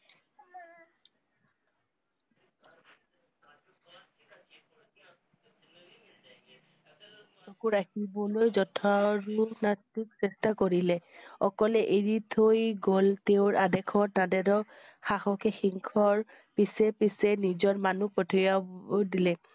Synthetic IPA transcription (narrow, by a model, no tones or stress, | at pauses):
sɔkuɹakʰibɔlojzɔtʰɔɹunastiksɛstakoɹilɛɔkɔlɛʔeɹitʰojɡɔltewɹadɛkʰɔtadɛdɔ | xaxɔkɛxiŋkʰɔɹ | pisɛpisɛnizɔɹmanupɔtʰijadilɛ